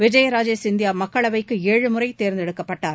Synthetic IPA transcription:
ʋɪd͡ʒɐjɐɾaːd͡ʒesɪnd̪ɪjaːmɐkːɐɭɐʋɐɪkːɯeːɻɯmɯɾɐɪt̪eːɾnd̪ɛɽɯkːɐpːɐʈːaːɾ

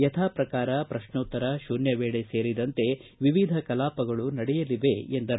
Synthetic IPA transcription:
jɐt̪ʰaːpɾɐkaːɾɐpɾɐʃɳoːt̪ːɐɾɐʃunjɐʋeːɭeseːɾid̪ɐnt̪e̞ʋiʋid̪ʱɐkɐlaːpɐɡɐɭunɐɽɛjɐliʋe̞end̪ɐ

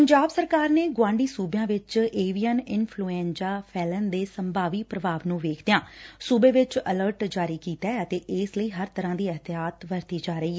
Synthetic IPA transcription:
pəɲd͡ʒaːbsəɾkaːɾneːɡʊãːɳɖiːsuːbjãːʋɪt͡ʃeːʋijənɪnpʰluːẽːnd͡ʒaːpʰɛːlənd̪eːsəmbaːʋiːpɾəʋaːʋnũːʋeːkʰd̪ejãːsuːbeːʋɪt͡ʃələɾʈd͡ʒaːɾiːkiːt̪ɛːət̪eːʔɪːsləiːɦəɾt̪əɾãːd̪iːəɦt̪ɪaːt̪ʋəɾt̪iːd͡ʒaːɾəiːɛ

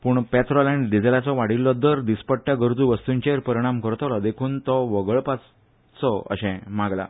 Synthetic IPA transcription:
puːɳpɛt̪ɾɔlɛ̃ɳɖid͡zelat͡sɔʋaɽilːɔd̪əɾd̪ispəʈʈjaɡəɾd͡zuʋəst̪uɲt͡ɕeɾpəɾiɽ̃amkəɾt̪ɔlad̪ekʰuːnt̪ɔʋəɡəɭpat͡s | t͡sɔə̰ɕɛ̃maɡla̰

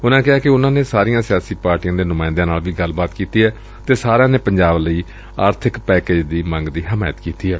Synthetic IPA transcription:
ʊnãːkɪɦaːkɪʊnãːneːsaːɾijãːsɪjaːsiːpaːɾʈijãːd̪eːnʊmaːɪ̃nd̪ãːnaːlʋiːɡəlbaːt̪kiːt̪iːɦɛː | t̪eːsaːɾãːneːpəɲd͡ʒaːbləiː | aːɾt̪ʰɪkpɛːkeːd͡ʒd̪iːmə̃ŋɡd̪iːɦəmaːjət̪kiːt̪iːɦɛː

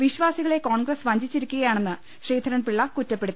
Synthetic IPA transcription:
ʋiɕʋaːsiɣɐɭe̞ko̞ːɳɡrɐsʋɐɲd͡ʑit͡ɕːiɾukʲːuɣɐjaːɳe̞nːɨ | ɕriːd̪ʱɐɾɐnpiɭːɐkutːɐpːe̞ɽut̪ːi

